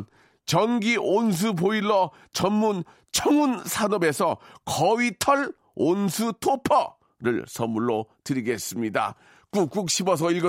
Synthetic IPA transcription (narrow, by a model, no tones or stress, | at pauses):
n | t͡ɕʌŋɡiʔons̬ʰupoilːʌ | t͡ɕʌnmun | t͡ɕʰʌŋunsʰanʌbe̞sʰʌkʌɥitʰʌɭ | onsʰutʰopʰʌ | ɾɯ̰ɭsʰʌmːuɭːotɯɾiɡe̞s͈ɯmɲida̰ | k͈uk͈uk̚ɕʰibʌs̬ʰʌilɡʌ